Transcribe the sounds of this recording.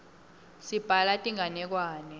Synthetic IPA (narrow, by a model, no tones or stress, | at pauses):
sib̥ʱalatʼiŋanɛk̬waːnɛ